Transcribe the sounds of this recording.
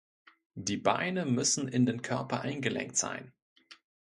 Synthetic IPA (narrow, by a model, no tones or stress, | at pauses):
d̥iːba̰ɪnəmʏsn̩ɪndeːnkʰœɐpɐʔaɪnɡəlʔɛ̰ŋk̚tz̥a̰ɪn